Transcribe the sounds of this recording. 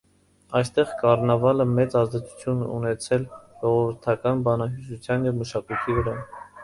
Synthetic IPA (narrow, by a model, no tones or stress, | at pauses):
ɑjst̪ɛʁkɑrnɑvɑləmɛt͡sɑzd̪ɛt͡sʰu̥t͡sʰjunɛunɛt͡sʰɛlʒ̥ɔʁɔvəɾt̪ʰɑkɑnbɑnɑɦusut͡sʰjɑnjɛvməʃɑkujt̪ʰivəɾɑ